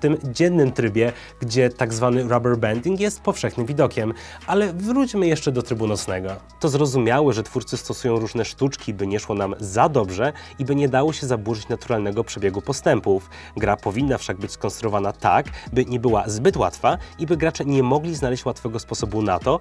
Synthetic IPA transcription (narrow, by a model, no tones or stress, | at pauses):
t̪ɘmd͡ʑɛnːɘmt̪ɾɘbʲjɛ | ɡd͡ʑɛt̪aɡzvanɘɾɔbɛɾbɛnd̪ʲiŋkjɛst̪̚pɔfʂɛxnɘmvʲid̪ɔkʲɛmʔalɛvɾut͡ɕmɘjɛʂt͡ʂɛd̪ɔt̪ɾɘbunɔt̪snɛɡɔ | t̪ɔzɾɔzumʲjawɛʐɛt̪fuɾt̪sɘst̪ɔsujɔ̃w̃ɾuʐnɛʂt̪ut͡ʂkʲibɘɲɛʂwɔnamzad̪ɔbʐɛ | ibɘɲɛd̪awɔɕɛzabwuʐɘt͡ɕnat̪uɾalnɛɡɔpʂɛbʲjɛɡupɔst̪ɛmpuf | ɡɾapɔvʲinːafʂaɡ̚bɘt͡ɕʲskɔnst̪ɾuɔvanat̪a̰kbɘɲɛbɘwazbɘt̪wa̰t̪faibɘɡɾat͡ʂɛɲɛmɔɡlʲiznalɛɕt͡ɕwat̪fɛɡɔspɔsɔbuna̰t̪ɔ